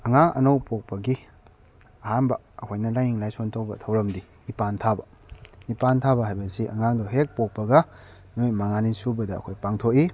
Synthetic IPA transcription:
ɐŋaŋɐ̰nowpok̚pɐɡi | ɐhanbɐːkʰojnɐlajɲiŋlajsontʰowbɐtʰɐwɾɐmdi | ipantʰabɐ | ipantʰabɐɦajbɐsiʔɐ̰ŋaŋdoɦek̚pok̚pɐɡɐ | mojmaŋanisubɐdɐ̰ːkʰojpaŋtʰoki

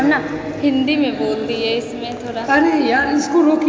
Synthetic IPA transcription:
mna | hɪ̃nd̪imẽboːld̪iɦɛɪsmẽt̪ʰoːɾaanejãɪskoɾoːk

